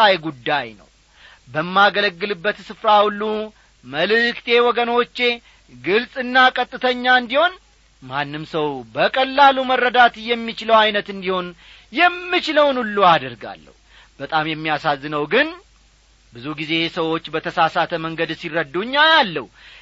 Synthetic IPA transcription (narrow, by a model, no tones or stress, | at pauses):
ajɡud̪ːajnə̰w | bəmːaɡələɡːɨlɨbːət̪sɨfɾahulːu | məlɨkt̪ʰe̞wɔɡəno̞t͡ʃːe̞ | ɡɨlsʼɨnːakʼət̪ʼːɨt̪ʰəɲːaɨnd̪iho̞n | manːɨmsəwbəkʼəlːalumərːəd̪at̪jɛmːit͡ʃɪləwajnət̪ɨnd̪iho̞n | jɛmːɨt͡ʃɪləwnulːuad̪əɾɡa̰lːə̰hu | b̥ət̪ʼamjɛmːijasazːɨnəwɡɨn | bɨzuɡize̞səwo̞t͡ʃːbət̪ʰəsasat̪ʰəməŋɡəd̪sirːəd̪ːuɲːajalːə̰hu